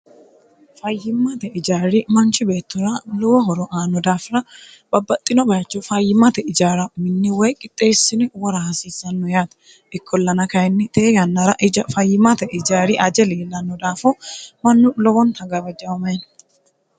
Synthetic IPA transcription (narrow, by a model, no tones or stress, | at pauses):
fɐjːɪmːɐt̪ɛɪd͡ʒaːɾɪmɐnt͡ʃːɪbe̞ːt̪ːɔɾɐlɔwɔɦɔɾɔʔaːnːɔd̪aːfɾɐ | b̥ɐbːɐt̪ʼːɪnɔbɐjɐt͡ʃːɔfɐjːɪmɐt̪ɛɪd͡ʒaːɾɐmɪnːɪwɔjkʼɪt̪ʼːeːsːɪnɛwɔɾahɐsiːsːɐnːɔjaːt̪ɐ̥ | ɪkʰːɔlːɐnɐkɐjɛnːɪt̪eːjɐnːɐɾɐʔɪd͡ʒɐfɐjːɪmɐt̪ɛʔɪd͡ʒaːɾɪʔɐd͡ʒɛleːlːɐnːɔd̪aːfɔmɐnːʊlɔwɔnhɐɡɐbɐd͡ʒɐwɐmɐjn